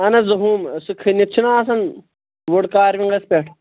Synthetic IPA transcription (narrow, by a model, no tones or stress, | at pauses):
ɐnɐzɐɦuːmsukʰːinitt͡ʃʰinaːs̬ɐn | ʋoɽkaːɾʋiŋɡɐspʲeːʈʰ